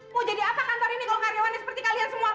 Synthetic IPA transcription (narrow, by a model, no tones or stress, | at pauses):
mud͡ʒadiapahant̪ɔɾinikalokaɾiawanisəpərt̪ikaliansəmua